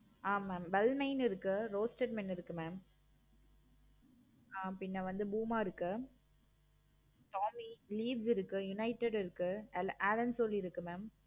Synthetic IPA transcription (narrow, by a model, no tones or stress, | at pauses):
aːmːaːmʋɛlmɐɪnɪɾɯkːɯɾoːsʈeɖmɛnːɪɾɯkːɯmaːm | aːpɪnːɐʋɐnd̪ɯbuːmaːɪɾɯkːɯ | ʈaːmiliːʋsɪɾɯkːɯjʊnɐɪʈːɛɖɪɾɯkːɯlʔaːlɐnsɔlːiɪɾɯkːɯmaːm